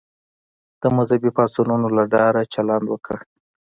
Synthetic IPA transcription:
d̪̥əmʊzabipɑsununolaɖɑɾat͡ʃaland̪wəkə̰ɽ

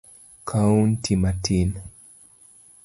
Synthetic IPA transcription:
kʰauntʰimatʰin

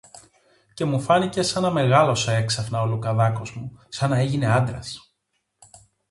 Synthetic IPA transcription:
ce̞mufɐnice̞sɐnɐme̞ɣɐlo̞soe̞ksɐfnɐolukɐðɐko̞zmusɐnɐe̞ʝine̞ɐnd̪ɾɐs

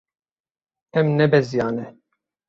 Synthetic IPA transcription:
ɛmnɛbɛzijɑːnɛ

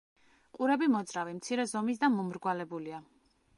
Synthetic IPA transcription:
qʼuɾɛbimɔd̪zɾavimt̪sʰiɾɛzɔmisd̪amɔmɾɡwalɛbulia

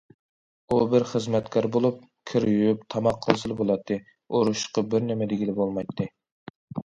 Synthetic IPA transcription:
ubɪɾχəzmɛt̪kʰɑɾbolˠup̚ | kʲʰɪɾjyjyp̚t̪ʰɑmɑqʰːəlˠsɨlˠɨbolˠɑt̪ʰːɨ | oɾuʃqɑbɪɾnɪmɛd̪ɪɡʲilɪbolˠmɑjt̪ʰːɨ

